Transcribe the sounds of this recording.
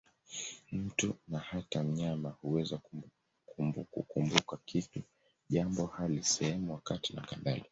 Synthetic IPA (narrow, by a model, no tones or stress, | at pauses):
m̩tunahatam̩ɲamahuwɛzak | kṵkumbukakitu | ʄambɔhalisɛhɛmuwakatina̰kaɓa̰li